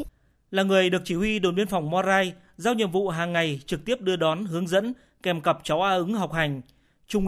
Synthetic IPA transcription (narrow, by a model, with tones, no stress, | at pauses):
laː˨˩ŋɨ˨˩əjɗɨ˨˩ək̚t͡ɕi˧˩hwi˧ɗo˨˩nɓi˧ənfa˨˩wŋ͡mmɔ˧zaː˧j | zaː˧wɲə̰˧˨mvṵ˧˨ɦaː˨˩ŋːa˨˩jt͡ɕɨ˨˩k̚t̪i˦˥əp̚ɗɨ˧əɗɔ˨˦nɦɨ˨˦əŋzə̰˧˥n | kɛ˨˩mkə˨˩p̚t͡ɕa˨˦wʔaː˧ʔɨ˨˦ŋɦa˨˩wk͡p̚ha˨˩jŋ̟ | t͡ɕʊ˧ŋ͡m